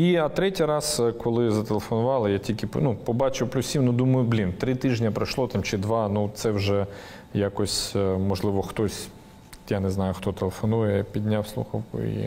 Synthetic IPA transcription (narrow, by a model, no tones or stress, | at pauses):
iɐt̪ɾɛtʲijɾɑskɔlˠɪzɐt̪elˠefɔnʊʋɑlˠɪjatʲilʲkʲɪpnupɔbɑt͡ʃɪwplʲʊsʲsʲimnud̪umɐjʊblʲint̪ɾɪt̪ɪʒnʲɐpɾɐʃlˠɔt̪ɑmt͡ʃɪd̪ʋɑnut̪sɛwʒɛ | jakɔsʲmɔʒlˠɪʋɔxt̪ɔsʲ | janɛznɑjʊxt̪ɔt̪elˠefɔnujɛpʲid̪ʲnʲawslˠṵxɐwkʊ̰ḭ